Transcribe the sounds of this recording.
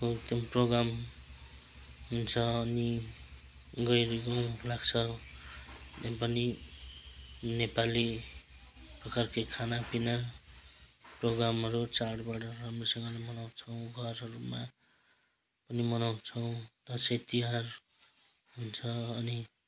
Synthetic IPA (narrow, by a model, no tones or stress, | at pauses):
ot̪ʌmproɡɾam | ɦunt͡sʰʌːni | ɡʌjɾikolaɡt͡sʰʌ | t̪epʌni | nepali | prʌkarkekʰanapina | proɡɾamɦʌɾut͡saɽbaʈʌɦamresʌŋɡʌlamʌnaw̃t͡sʰʌw̃ɡʱʌrɦʌɾuma | pʌnimʌnaw̃t͡sʰʌw̃t̪ʌset̪iɦar | ɦunt͡sʰʌːni